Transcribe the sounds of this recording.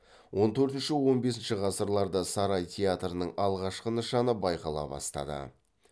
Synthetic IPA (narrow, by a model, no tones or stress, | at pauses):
wo̞nt̪ʰɵɾt̪ɪnʃɪwo̞nbe̞sɪnʃɪʁɑsəɾlˠɑɾd̪əsɑɾɑjt̪ʲʰeat̪ɾənəɴɑlˠʁɑʃqənəʃɑnəbɑjqɑlˠɑ̰bɑ̰st̪ɑ̰d̪ə̰